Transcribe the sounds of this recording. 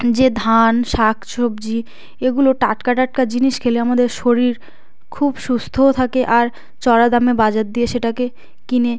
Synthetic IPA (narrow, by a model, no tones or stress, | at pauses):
d͡ʑed̪ʱanʃakʰʃobd͡ʑi | eɡuloʈaʈkaʈaʈ̚kad͡ʑiniʃkʰeleamad̪eɾʃoɾiɾ | kʰubʃust̪ʰoot̪ʰakeʔaɾ | t͡ɕɔɾad̪amebad͡ʑat̪̚d̪ijeʃeʈake | kine